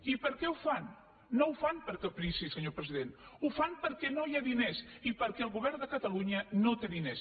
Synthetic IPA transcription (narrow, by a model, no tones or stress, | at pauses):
ipəɾkɛufanː | owfanpəɾkəpɾisisəɲopɾəziðenufanpəɾkɛnojaðinesipəɾkɛːlˠɣuβ̞ɛɾnd̪əkət̪əluɲənõt̪eðines